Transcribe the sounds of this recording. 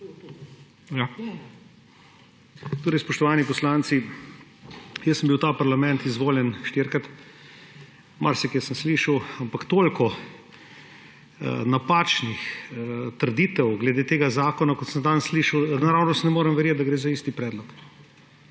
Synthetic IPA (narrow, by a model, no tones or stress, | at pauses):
ja | t̪oːɾɛɪjspɔʃt̪ɔʋaːnipɔslaːnsi | jəsəmbiwt̪aːpaɾlamɛnt̪izʋoːljɛnʃt̪iɾkɾat̪ | maɾsɛkɛsəmsliʃəwampakt̪olkɔ | napat͡ʃnixt̪əɾd̪iːt̪ɛwɡlɛd̪eːt̪eːɡazaːkɔnakɔt̪sənd̪ansliʃəwnaɾawnɔst̪nɛmoːɾɛmʋɛɾjeːt̪̚d̪ɐɡɾeːzaiːst̪ipɾɛːd̪lɔk